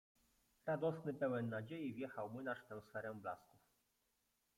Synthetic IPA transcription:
ɾad̪ɔsnɘpɛwɛnːad͡ʑejivʲjɛxawmɘnaʂt̪ɛ̃w̃sfɛɾɛ̃bla̰skuf

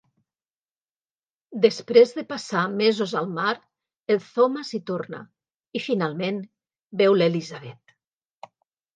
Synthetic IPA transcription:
d̪espɾezðəpasamezozalˠmaɾ | elˠθomasit̪orna̰ | ifinalˠmen | bɛwlelizaβɛt̪

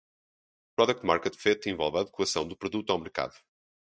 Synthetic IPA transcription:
pɾɔðɛk̚t̪ma̰ɾkɛt̪fɛt̪ẽvɔlˠvaːðɨkwɐsɐ̃w̃d̪upɾuðut̪awmɨɾka̰ðu

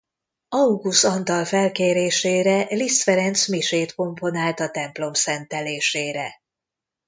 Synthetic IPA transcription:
ɒuɡusɒnt̪ɒlfɛlkeːɾeːʃeːɾɛlist̪fɛɾɛnt̪smiʃeːt̪ko̞mpo̞naːlt̪ɒt̪ɛmplo̞msɛnt̪ɛleːʃeːɾɛ

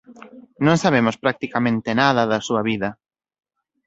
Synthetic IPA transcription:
nõŋsaβ̞emʊspɾak̚t̪ikamẽnt̪ɪnaðɐðɐsuɐβiðɐ

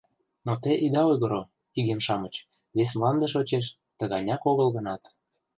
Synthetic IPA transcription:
not̪eʔid̪ɑojɣɤ̆ɾo | iɣemʃɑmət͡ɕ | βes̬mlɑnd̪ə̆ʃot͡ɕeʃ̬ | t̪ə̆ɣɑnʲɑkoɣə̆lɣə̆nɑt̪

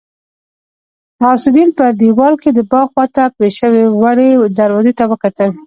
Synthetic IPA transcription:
mɑsɪd̪inpəd̪iwɑlked̪əbɑɣwɑt̪apeʃəwewaɽed̪aɾwɑzet̪awəkat̪əl

